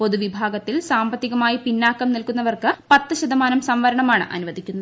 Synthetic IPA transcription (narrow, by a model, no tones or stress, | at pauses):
po̞ðuʋibʱaːɡɐt̪ːilsaːmbɐt̪ːiɣɐmaːjipinːaːkːɐmnilkunːɐʋɐrkɨpɐt̪ːɨɕɐd̪ɐmaːnɐmsɐmʋɐɾɐɳɐmaːɳɨ̰ʔɐ̰nuʋɐd̪ʱikʲːunːɐð